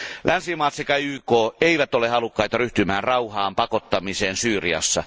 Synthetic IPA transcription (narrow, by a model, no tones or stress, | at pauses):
lʔænsimɑːt̪sekɑyːkoːeiʋæt̪olehɑlukːɑit̪ɑryht̪ymæːnrɑuhɑːmpɑkot̪ːɑmiseːnsyːriɑ̰sːɑ̰